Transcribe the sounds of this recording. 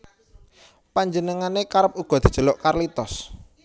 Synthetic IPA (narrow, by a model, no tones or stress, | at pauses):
paɲd͡ʒənəŋanekaɾəp̚uɡ̥ɔ̤d̪̥i̤̥d͡ʒ̥ə̤lʊʔkarlit̪ɔs